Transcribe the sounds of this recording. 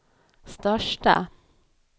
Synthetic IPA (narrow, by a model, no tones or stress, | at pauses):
st̪œʂʈə̰